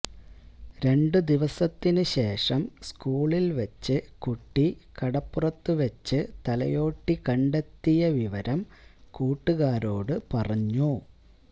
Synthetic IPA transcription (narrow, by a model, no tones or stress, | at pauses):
ɾe̞ɳɖɨd̪iʋɐsɐt̪ːinɨɕe̞ːʂɐmskuːɭilʋɐt͡ɕːɨkuʈːikɐɽɐpːurɐt̪ːɨʋɐt͡ɕːɨt̪ɐlɐ̰jo̞ːʈːikɐɳɖet̪ːijɐʋiʋɐɾɐm | kuːʈːuɣaːɾo̞ːɽɨpɐrɐɲːu